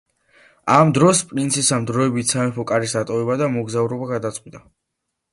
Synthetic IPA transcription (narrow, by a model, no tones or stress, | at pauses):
amd̪ɾɔspʼɾint̪sʰisamd̪ɾɔɛbit̪samɛpʰɔkʼaɾisat̪ʼɔvɛbad̪amɔɡzauɾɔbaɡad̪at̪sʼwit̪ʼa